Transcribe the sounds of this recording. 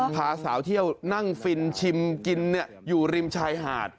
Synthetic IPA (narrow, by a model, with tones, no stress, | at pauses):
pʰaː˩˦saː˩˦wt̪ʰi˥˩əwna˥˩ŋfi˧nt͡ɕʰi˧mki˧nːi˦˥˩ɐjuː˨˩ɾi˧mt͡ɕʰaː˧jɦa̰ː˨˩t̪̚